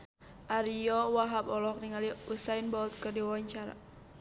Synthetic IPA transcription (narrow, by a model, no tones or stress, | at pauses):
ʔaɾiɔwaɦabɔlɔk̚niŋaliusainbɔlt̪̚kərdiwawaɲt͡ʃaɾa̰